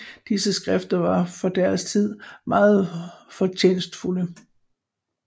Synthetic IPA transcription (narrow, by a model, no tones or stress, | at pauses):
d̥isəsɡ̥ʁɛfd̥ɐʋɑ̈fɒ̽d̥æɐst͡sʰið̞̰ˠmɑ̈ːð̩ˠfɒ̽t͡ɕʰeːnsd̥fulə